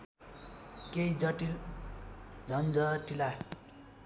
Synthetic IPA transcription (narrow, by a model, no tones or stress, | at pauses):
kejd͡zʌʈil | d͡zʱʌnd͡zʌʈila